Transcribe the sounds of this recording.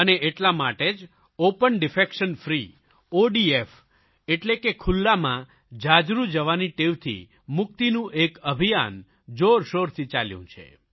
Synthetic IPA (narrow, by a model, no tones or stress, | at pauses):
əneeʈlamaʈed͡ʒ | opənɖɪfekʃənfɾi | oɖief | eʈlekekʰʊlːamã | d͡ʒad͡ʒɾud͡ʒəʋaniʈeʋt̪ʰḭ | mʊk̚t̪inũʔekəbʱija̰n | d͡ʒoɾʃoɾt̪ʰit͡ʃa̰ljṵ̃t͡ʃʰḛ